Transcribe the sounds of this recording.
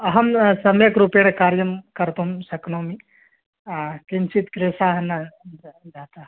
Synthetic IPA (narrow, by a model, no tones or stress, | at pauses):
ɐɦɐmsɐmjɐkɾupjeɽ̃ekaːɾjɐmkɐɾt̪oumsɐknomi | kinsit̪kɾeːsaɦɐnːa | d͡ʒaːt̪a